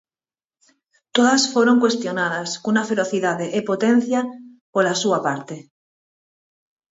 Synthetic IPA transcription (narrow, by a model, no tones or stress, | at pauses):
t̪oðasfoɾo̞ŋkwe̞st̪jo̞nað̞askunafeɾo̞θiðaðeʔepot̪ẽn̟θja | polasuapaɾt̪e